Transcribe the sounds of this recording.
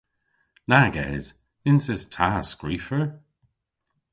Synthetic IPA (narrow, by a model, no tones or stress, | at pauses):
naɡɛ̰ːz̥ | ɪnsɪztʰaːskɹiːfəɹ